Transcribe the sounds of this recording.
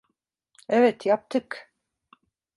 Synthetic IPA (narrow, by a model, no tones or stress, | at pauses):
ɛvɛt̪jap̚t̪ɪk